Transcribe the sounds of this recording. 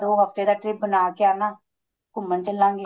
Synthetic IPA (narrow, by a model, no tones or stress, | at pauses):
d̪oːɦəkt̪eːd̪aːʈɾɪp̚bənaːkeaːnaː | kʊmːənt͡ʃəllãːŋɡeː